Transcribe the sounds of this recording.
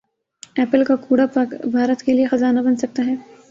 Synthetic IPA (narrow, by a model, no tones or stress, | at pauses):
ɛːpəlkakuːɽapɐkbʱaːɾət̪keliexɐzaːnabɐnsɐk̚t̪aɦɛː